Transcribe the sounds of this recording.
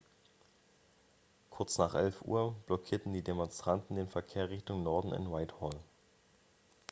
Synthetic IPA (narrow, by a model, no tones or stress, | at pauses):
kʰʊɐt͡snaːχʔɛlfʔṵːɐb̥lɔkʰiːɐtn̩diːdemɔnstʁ̥antn̩deːnfɛɐkʰeːɐʁɪçtʊŋnɔɐdn̩ɪ̰nwaɪthɔl